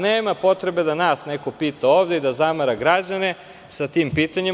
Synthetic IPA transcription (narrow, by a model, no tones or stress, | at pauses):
neːmapo̞t̪ɾe̞be̞d̪anaːsneko̞piːt̪ao̞ːʋd̪eid̪azamaɾaɡɾad͡ʑane̞ | sat̪iːmpiːt̪aɲi